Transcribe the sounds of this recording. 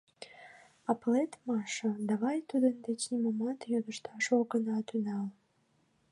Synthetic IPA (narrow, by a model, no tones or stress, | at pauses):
ɑplet̪mɑʃə̆d̪ɑβɑjt̪ud̪ənd̪et͡ɕnimomɑt̪jod̪əʃt̪ɑʃoɡənɑt̪ynɑl